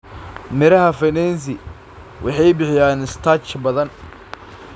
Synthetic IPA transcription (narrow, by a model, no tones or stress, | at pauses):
mɪɾɐɦɐfɛnɛns̬ɪ | wʔɑ̰ħɑjbɪħɪjaːnɪst̪ʰat͡ʃbɐðɐn